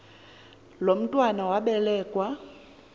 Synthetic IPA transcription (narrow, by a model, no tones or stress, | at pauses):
lom̩tʼwanawaɓɛlɛːkʼwa